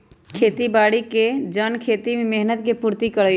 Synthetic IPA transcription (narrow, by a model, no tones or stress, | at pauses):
kʰeːt̪ibaːɽiked͡ʒənkʰeːt̪imẽmeɦnət̪kepuːɾt̪ikəɽə